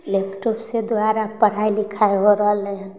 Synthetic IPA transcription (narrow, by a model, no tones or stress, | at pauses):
lepʈopsed̪aɾapəɽ̤ailikʰaeɦoɾəɦəle